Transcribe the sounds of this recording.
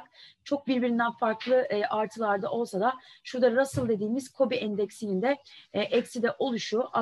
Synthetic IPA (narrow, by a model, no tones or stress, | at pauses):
kt͡ʃʰo̞k̚biɾbiɾind̪ænfaɾklˠɯʔaɾt̪ʰɯlˠaɾd̪aʔo̞lˠsad̪aʃuɾd̪aɾasɯlˠd̪e̞d̪iːmiz̥kʰo̞biʔɛnd̪ɛcsinind̪ɛʔɛcsid̪ɛʔo̞lˠuʃuʔa